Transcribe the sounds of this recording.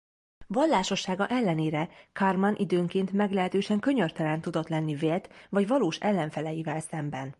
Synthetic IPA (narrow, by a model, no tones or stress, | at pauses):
vɒlːaːʃo̞ʃːaːɡɒʔɛlːɛneːɾɛkɒrmɒnʔid̪øːŋkeːnt̪mɛɡlɛɦɛt̪øːʃɛŋkø̞ɲørt̪ɛlɛnt̪ud̪o̞t̪lɛnːiveːlt̪vɒɟvɒloːʃɛ̰lːɛɱfɛlɛjivɛlsɛmbɛn